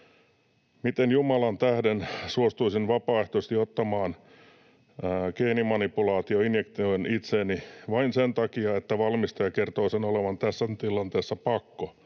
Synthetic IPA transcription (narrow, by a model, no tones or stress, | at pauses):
mit̪enjumɑlɑnt̪æhdensuost̪uisinʋɑpɑːeht̪oist̪iot̪ːɑmɑːn | keːnimɑnipulɑːt̪ioinjekt̪ioinit̪seːniʋɑinsent̪ɑkiɑet̪ːæʋɑlmist̪ɑjɑkert̪oːsenoleʋɑnt̪æsːænt̪ilɑnt̪eːsːɑpɑkːo